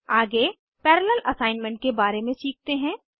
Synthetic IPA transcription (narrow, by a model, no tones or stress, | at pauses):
aːɡe | pɛːɾələlʔɐsaːɪnmɛ̃ɳʈ̚kebaːɾemẽsiːk̚t̪eɦɛ̃ː